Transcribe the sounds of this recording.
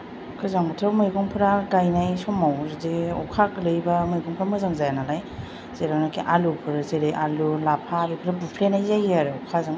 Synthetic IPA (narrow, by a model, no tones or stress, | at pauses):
kʰɯzaŋbɯtʰɯwmɯjɡɔŋpʰɯɾaɡajnajsɔmawzdeɔkʰak̚lɯjbamɯjɡɔŋpʰɾamɯzaŋzajanalaj | z̥eɾawnakʰiʔalupʰɯɾzeɾejʔalulapʰaːbipʰɯɾabupʰlenajzajaɾɯkʰazaŋ